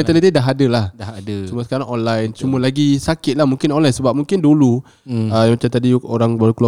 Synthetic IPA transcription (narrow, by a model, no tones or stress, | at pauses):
ɛnt̪əlɛt̪idaɦadəlahdahadət͡ʃuməsə̥kaɾaŋɔnlajnt͡ʃuməlaɡisakɪt̪̚lahmuŋkɪnɔnlajnsəbap̚mũŋkɪndulu | əjamat͡ʃamt̪adioɾaŋbalukla